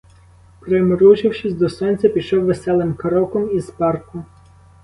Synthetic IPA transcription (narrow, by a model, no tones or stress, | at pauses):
pɾemɔɾut͡ʃɪwʃɪsʲd̪ɔsɔnʲt͡sʲɐpʲiʃɔwʋesɛlˠɪmkɐɾɔkɔmizpɑrkʊ